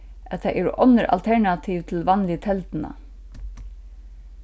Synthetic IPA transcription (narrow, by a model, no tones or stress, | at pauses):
ʔɛt̪ʰæʔɛːɹə̰ʔɔnːəɾʔɑ̰lt̪ʰɛɹɳat̪ʰiːʋt̪ʰɪlʋɑnlɪt̪ʰɛlt̪na̰